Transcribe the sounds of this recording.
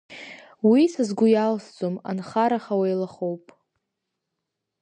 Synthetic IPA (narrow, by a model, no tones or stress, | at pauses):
wisazɡʷʊjalsd͡zʼoma̰nχaɾaχawajlaχowpʼ